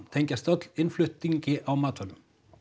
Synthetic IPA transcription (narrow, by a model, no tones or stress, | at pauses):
t̪ʰejɲcast̪œt̪lɪnflʏht̪iɲcɪʔawmaːt̪ʰœlʏm